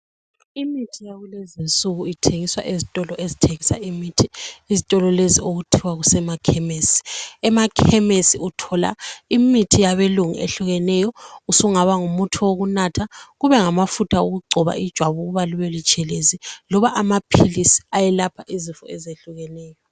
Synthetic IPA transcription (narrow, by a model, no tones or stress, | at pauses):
imitʰijaɣulezint͡sʼuɣuitʰeŋiswa̰ʔezitʼɔlɔʔezitʰeŋisa̰imitʰiːzitʼɔlɔlezioɣutʰiwaɣusɛmakʰɛmesi̥ɛmakʰɛmesiutʰɔla̰imitʰijaβeluŋiʔḛɬuɣɛnɛjɔusuŋaβaŋumutʰuwoɣunatʰaɣuβɛŋamafutʰauɣuɡ͡ǀʱɔβa̰ʔid̥ʒ̥ʱwaβuɣuβaluβelit͡ʃʼɛlezilɔβaʔamapʰilisi̥ajɛlapʰaʔizifɔ̰ɛzeɬuɣɛnɛːjɔ